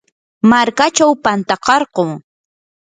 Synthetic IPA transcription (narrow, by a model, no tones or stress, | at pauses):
maɾkat͡ʃawpant̪ɑqɑɾɢoː